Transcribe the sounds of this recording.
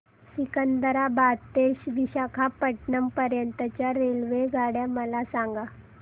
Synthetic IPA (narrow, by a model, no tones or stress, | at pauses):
sikənd̪əɾabat̪eɕʋiɕakʰapəʈɳəmpəɾjənt̪ət͡ɕjaɾelʋeɡʱaɽjaməlasaŋɡa